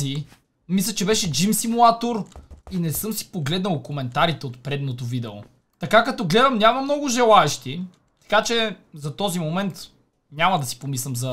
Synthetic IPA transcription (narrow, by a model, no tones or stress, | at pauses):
i | mislʲət͡ʃɛbɛʃɛd͡ʒimsimulˠat̪oɾinɛsɤmsi̥poɡlɛd̪nəlˠkomɛnt̪aɾit̪ɛot̪pɾɛd̪not̪ovid̪ɛo̰ | t̪ɐkakɐt̪ɔɡlɛd̪ɐmnʲamɐmnɔɡʊʒɛlˠaɛʃt̪i | t̪ɐ̥kat͡ʃɛzɐt̪ɔzimomɛnt̪ | nʲamɐd̪ɐsi̥pomislʲɛmzɐ